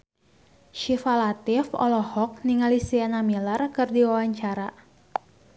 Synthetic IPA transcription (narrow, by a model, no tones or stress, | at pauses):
ʃifalat̪ɪfɔ̰lɔhɔk̚niŋalisianamilərkɨrdiwawaɲt͡ʃaɾa